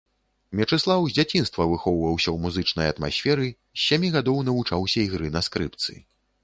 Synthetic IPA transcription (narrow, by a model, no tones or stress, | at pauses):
mʲɛt͡ʂɨslˠawzʲd͡zʲat͡sʲin̪st̪vɐvɨxɔwvɐwsʲɐwmuzɨt͡ʂnɐjɐt̪ma̰sʲfʲɛɾɨ | sʲːamʲiɣad̪ɔwnɐvut͡ʂawsʲɐiɣɾɨnɐskɾɨp̚t̪sɨ̰